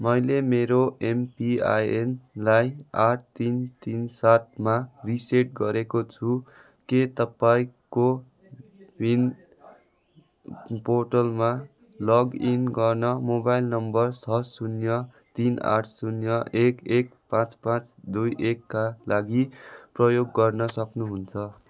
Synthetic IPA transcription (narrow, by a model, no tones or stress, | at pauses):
mʌjlemeɾoempia̰jenlajaʈ̚ʰt̪int̪insat̪̚mariseʈ̚ɡʌɾekot͡sʰu | ket̪ʌpaĩko | win | porʈʌlma | lʌɡinɡʌrnʌmobajlnʌmbʌrt͡sʰʌsunjʌ | t̪ina̰ʈʰsunjʌʔekek̚pãt͡spãt͡sd̪ujʔekːalaɡiprʌjoɡːʌrnʌsʌknuɦunt͡sʰʌ